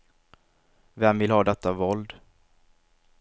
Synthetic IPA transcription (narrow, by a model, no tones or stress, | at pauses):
vɛmːvɪlhɑːd̪ɛt̪ːavɔld̪